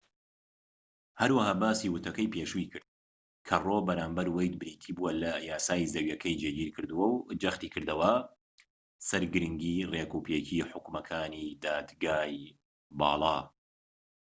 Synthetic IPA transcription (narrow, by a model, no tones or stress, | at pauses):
hɐɾwɐhaːbaːsiːwʊt̪ʰɐkɐjpeːʃuikɨɾd̪̚ | kʰɐroːbɐɾaːmbɐɾwɐjd̪̚bɨɾiːt̪ʰiːbuɐlɐjaːsaːjizɐwjɐkʰɐjd͡ʒeɡiːɾkʰɨɾd̪uwɐwd͡ʒɐxt̪iːkʰɨɾd̪ɐwɐ | sɐɾɡɨɾɨŋɡiːrekuːpjecʰiːħʊkmɐkʰaːniːd̪aːd̪ɡaːj | bɑ̰ːlˠɑː